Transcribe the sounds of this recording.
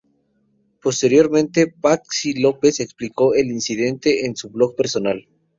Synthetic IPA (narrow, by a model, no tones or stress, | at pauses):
po̞st̪e̞ɾjo̞ɾmẽnt̪e̞paksilope̞sekspliko̞elinsiðe̞nt̪e̞ʔːnsuβlo̞k̚pe̞ɾso̞nal